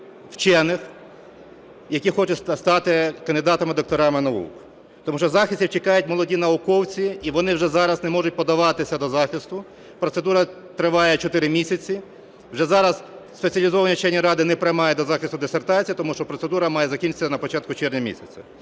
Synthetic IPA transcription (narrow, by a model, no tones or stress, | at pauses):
wt͡ʃɛnɪx | jɐkʲixɔt͡ʃɛsst̪ɑt̪ɪkɐnd̪ɪd̪ɑt̪ɐmɪd̪ɔk̚t̪ɔɾɑmɪnɐṵk | t̪ɔmuʃt͡ʃɔzɑxɪsʲtʲiwt͡ʃɪkɑjʊtʲmɔlˠɔdʲinɐʊkɔwt͡sʲiiʋɔnɪwʒɛzɑɾɐznɛmɔʒʊt̚ʲpɔd̪ɐʋɑt̪ɪsʲɐd̪ɔzɑxɪst̪ʊ | pɾɔt̪sed̪uɾɐ | t̪ɾɪʋɑjɛt͡ʃɔt̪ɪɾɪmʲisʲɐt͡sʲi | wʒɛzɑɾɐzspet͡sʲɐlʲizɔʋɐnʲit͡ʃɛnʲːiɾɑd̪ɪnɛpɾɪmɑjɛd̪ɔzɑxɪst̪ʊd̪esert̪ɑt͡sʲijit̪ɔmuʃt͡ʃɔpɾɔt̪sed̪uɾɐmɑjɛzɐkʲint͡ʃɪ̥t͡sʲːɐnɐpɔt͡ʃɑt̪̚kʊt͡ʃɪrnʲɐmʲḭsʲɐt͡sʲɐ